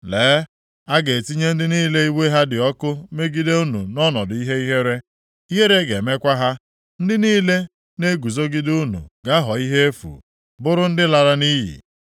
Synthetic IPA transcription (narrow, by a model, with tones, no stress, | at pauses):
leː˨˦ | a˦ɡe˨ti˦ɲe˦n̩˦dɪ˦niː˦le˦i˦we˦ɦa˦dɪ˨ɔ˦kʊ˦me˦ɡi˦de˦u˦nṵ˨nɔ˦nɔ˨dʊ˨i˦ɦe˦i˦ɦe˦ɾe˦ | i˦ɦe˦ɾe˦ɡe˨me˦kʷa˦ɦa˦ | n̩˦dɪ˦niː˦le˦ | ne˦ɡu˨zo˦ɡi˦du˦nṵ˨ɡa˦ɦɔ˨i˦ɦe˦e˦fṵ˨ | bʊ˦ɾʊ˦n̩˦dɪ˦la˨ɾa˦niː˦ɦḭ˨